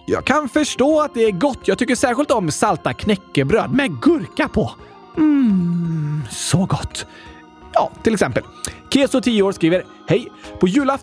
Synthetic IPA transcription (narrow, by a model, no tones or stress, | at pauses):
jɑ̰ːɡ̚kʰanfœʂʈoːat̪̚d̪ɛæɾɡɔt̪ːjɑːɡ̚t̪ʏkːəʂæːɾɧɪlt̪ɔmsalt̪akʰnɛkːəbɾøːd̪mɛɡɵɾkapʰɔ | sɔɡɔt̪ː | jɑ̰ːt̪ʰɪlɛksɛmpəlkʰeːsʊt̪ʰiːəoːɾʂkɾiːvəɾ | hɛjpʰɔjʉ̟ːlaf